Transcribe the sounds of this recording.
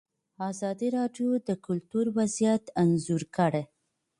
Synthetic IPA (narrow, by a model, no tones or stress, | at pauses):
ɑzɑd̪iɾɑɖjod̪əkʊlt̪uɾwazijat̪anzuɾkəɽe